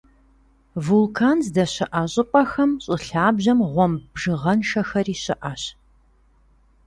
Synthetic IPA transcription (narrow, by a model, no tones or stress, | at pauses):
vulkʰaːnzdɐɕɪʔɐɕʼɪpʼɐxɐmɕʼɪɬaːbʑɐmʁʷɔmbʒɨʁɐnʃɐxɐriːɕɪ̰ʔaɕ